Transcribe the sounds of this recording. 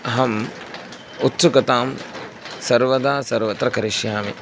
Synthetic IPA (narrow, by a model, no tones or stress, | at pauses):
ɦɐm | ut̪sukɐt̪aːm | sɐɾʋɐd̪aːsɐɾʋɐt̪ɾɐkɐɾiʃjaːmḭ